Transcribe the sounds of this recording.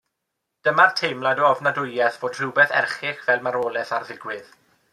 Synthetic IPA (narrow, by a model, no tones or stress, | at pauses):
d̥əmartʰejmlˠadɔɔvnadʊjɛθv̥oːd̥r̥ɪwbɛθɛ̰rχɪχvɛlˠmaɾoːlˠɛθarðɪɡwɪð